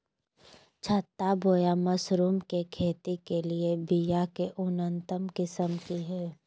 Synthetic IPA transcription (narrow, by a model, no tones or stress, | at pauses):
t͡ʃʰət̪ːaboːjamɐsɾuːmkekʰeːt̪ikeliebijakeʔʊnənt̪əmkɪsəmkiɦɛː